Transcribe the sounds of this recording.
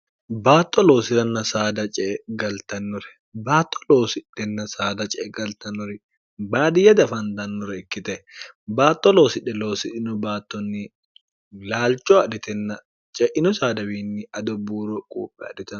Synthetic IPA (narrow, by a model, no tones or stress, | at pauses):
baːt̪ʼːɔlo̞ːsɪɾɐnːɐsaːd̪ɐt͡ʃʼɛːɡɐlt̪ɐnːʊɾɛ̥ | baːt̪ʼːɔ̥loːsɪᶑɛnːɐsaːd̪ɐt͡ʃʼɛːɡɐlt̪ɐnːʊɾɪ | baːd̪ɪjɐd̪ɐfɐnd̪ɐnːʊɾɛɪkːɪt̪ɛ | baːt̪ʼːɔloːsɪᶑɛloːsɪᶑɪnɔbaːt̪ːɔnːɪ | laːlt͡ʃʼoɐᶑɪt̪ɛnːɐ | t͡ʃʼɛʔɪnʊsaːd̪ɐwiːnːɪɐd̪ɔbuːɾɔkʼṵːpʼːɛɐ̰ᶑɪt̪ɐ